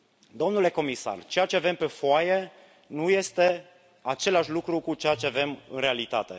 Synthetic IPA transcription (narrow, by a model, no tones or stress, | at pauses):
d̪o̞mnule̞ko̞misa̰rt͡ʃejat͡ʃe̞ave̞mpe̞foaje̞ | nuje̞st̪e̞ | at͡ʃe̞laʃlukɾukut͡ʃejat͡ʃe̞ave̞mɨ̰nre̞alit̪at̪e̞̰